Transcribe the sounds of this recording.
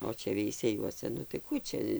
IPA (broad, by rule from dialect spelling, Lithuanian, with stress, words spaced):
oː ˈt͡ʃʲɛ ʋʲɛɪsʲɛˈjuɔsʲɛ nʊ tɐɪ ˈkuː t͡ʃʲɛ